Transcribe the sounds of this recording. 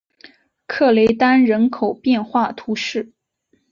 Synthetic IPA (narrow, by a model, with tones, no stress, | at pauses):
kʰɤ˥˩le˧˥ɪt̪a˥nɻə˧˥nkʰo˨˩ʊpjɛ˥˧nxwa˥˩t̪ʰu˧˥ʂɻ̩˥˩